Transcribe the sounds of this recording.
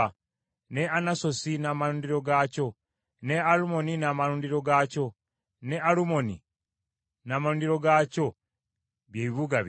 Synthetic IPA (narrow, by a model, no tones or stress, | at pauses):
ne̞anaso̞sinaːmaluːndiɾo̞ɡaco̞ | ne̞alumo̞ninaːmaluːndiɾo̞ɡaco̞ | ne̞alumoni | naːmaluːndiɾo̞ɡaːco̞ | βjeβiβuɡa